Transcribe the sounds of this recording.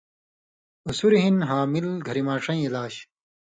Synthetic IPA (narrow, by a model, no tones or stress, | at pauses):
usuɾiɦinɦaːmilɡʱɐɾimaːʈ͡ʂɐ̃ĩilaːɕ